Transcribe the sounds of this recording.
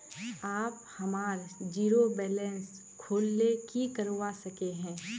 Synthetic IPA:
aːp | hɐmaːɾd͡ʒiːɾobɛːlɛ̃ns | kʰoːlnekikɐɾwasɐkeɦɛ̃ː

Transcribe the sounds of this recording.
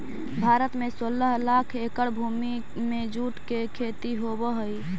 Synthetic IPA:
bʱaɾət̪mesoləɦlakʰekəɽbʱumi | med͡ʒuʈkekʰet̪iɦobəɦəj

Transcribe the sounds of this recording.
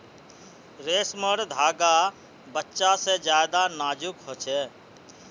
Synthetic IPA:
ɾeːsməɾd̪ʱaːɡa | bətːʃased͡ʒjaːjd̪anaːd͡ʒukɦoːt͡ʃʰɛː

